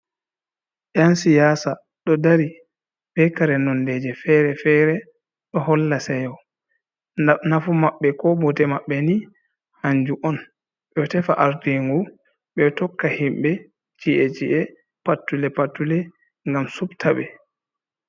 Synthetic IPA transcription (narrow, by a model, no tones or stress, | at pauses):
jansijaːsa | ɗɔdaɾi | bɛkaɾɛnɔndɛd͡ʒɛfɛɾɛfɛɾɛ | ɗɔhɔlːasɛjɔ | nanafumaɓːɛkɔbɔtɛmaɓːɛni | haɲd͡ʒuʔɔn | ɓɛɔtɛfaʔaɾdeŋɡu | ɓɛtɔkːahimbɛ | t͡ʃiʔɛd͡ʒiʔɛ | patːulɛpatːulɛ | ŋɡamsubtʰaɓɛ